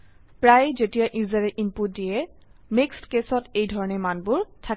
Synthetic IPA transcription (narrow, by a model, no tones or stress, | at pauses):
pɹajzetijaʔizaɹɛʔinput̚dijɛmekstkesɔtejdʱɔɹɔnɛmanbʊɹtʰak